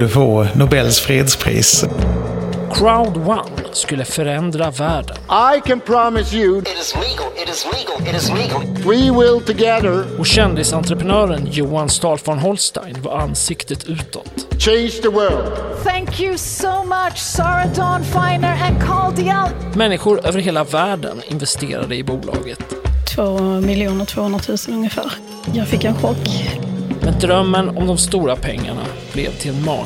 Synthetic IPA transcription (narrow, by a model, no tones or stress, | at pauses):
ɖəfoːnʊbɛlːsfɾeːd̪spʰɾḭːs | kʰɹaʊd̪wa̰nskɵlːəfœɾɛnd̪ɾavæːɖə̰nʔaɪkɨ̃npʰɹ̥ɑmɨsjɨ | zwiwɪlˠtɨɡɛðə˞ɔɕɛnd̪ɪsant̪ɾəpənœːɾənjuːanst̪ɑːlfɔɳɦɔlst̪a̰ɪnva̰ɾanːsɪkt̪ət̪ʰʉ̟ːt̪ʰɔ̰t̪t͡ʃʰẽɪ̃nd͡ʒðəwɜldθæ̃ŋkʰjusoʊmat͡ʃsɑɹədɑnfaɪnə˞ə̃nkʰɑld̪iəlmɛnːɪɧʊɾøːvəɾɦeːlavæːɖə̰nɪ̰nvɛst̪eːɾa̰d̪əɪbuːlʔɑ̰ːɡət̪t̪ʰvoːmɪljuːnəɾt̪ʰv̥oːɵnɾat̪ʰʉ̟ːsənɵŋjəfæ̰ːɾ | jɑːɡfɪkːɛnɧɔkː | mɛnd̪ɾœmːənɔmd̪ɔmst̪uːɾapʰɛ̰ŋːa̰ɳa̰ | b̥lɛ̰vt̪ʰɪlɛnmɑ̰ː